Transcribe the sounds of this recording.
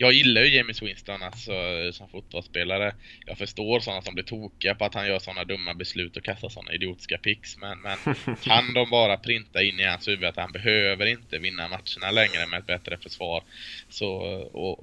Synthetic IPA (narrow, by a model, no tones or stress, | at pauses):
jɑːɡjɪlːajɵjɛmɪswɪnst̪ɔnalsɔsɔmfʊt̪̚bɔlspeːlaɾəjɑ̰ːɡfœʂʈoːɾsɔnːasɔmblɪʈʰuːkɪapʰɔat̪hanjœːʂɔnːad̪ɵmːabɛslʉ̟ːt̪ɔkʰast̪asɔ̰nːa̰ɪd̪ɪuːt̪ɪ̥skapʰɪksmɛnmɛnkʰand̪ɔmbɑːɾapʰɾɪnt̪aɪnːɪhanshʉ̟ːvəat̪hanbɛɦøːvəɾɪnt̪əvɪnːamat̪ʂəɳalɛŋɾəmɛɛt̪̚bɛt̪ɾəfœʂvɑːɾsɔɔ̰